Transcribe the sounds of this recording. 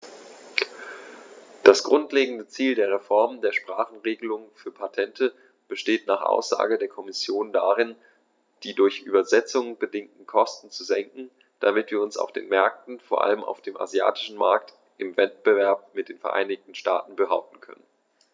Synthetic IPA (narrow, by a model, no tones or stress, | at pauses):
d̥asɡ̥ʁʊntleːɡŋ̩dət͡siːldeːɐʁ̞efɔɐməndeːɐʃpʁ̥aːχn̩ʁeːɡəlʊŋəfyːɐpʰatʰɛntʰə | b̥əʃteːtnaːχʔa̰ʊsz̥a̰ːɡədeːɐkʰɔmɪsjoːndaʁɪn | d̥iːdʊɐçʔyːbɐzɛt͡sʊŋəb̥ədɪŋtn̩kʰɔstn̩t͡suzɛŋkŋ̩ | d̥amɪtv̥iːɐʊnsa̰ʊfd̥ḛːnmɛɐk̚tn̩foːɐʔa̰ləmʔa̰ʊfd̥eːmʔa̰zja̰ːtʰɪ̥ʃn̩ma̰ɐk̚t | ʔɪmvɛt̚b̥əvɛɐp̚mɪt̚d̥eːnfɛɐʔa̰ɪnɪçtn̩ʃta̰ːtn̩bəɦaʊp̚tn̩kʰœ̰nən